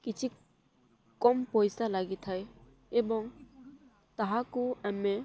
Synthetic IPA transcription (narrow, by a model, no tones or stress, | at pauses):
kɪt͡ʃʰi | kɔmpɔjsalaɡit̪ʰae | ebɔŋ | t̪aɦakuɛmẽ